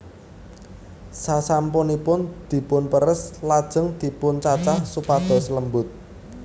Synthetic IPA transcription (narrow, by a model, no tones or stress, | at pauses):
sasampʊnipʊnd̪̥i̤pʊnpəɾəslad̥ʒ̥ə̤ŋd̪̥i̤pʊnt͡ʃat͡ʃahsupad̪̥ɔ̤sələmbʊt̪̚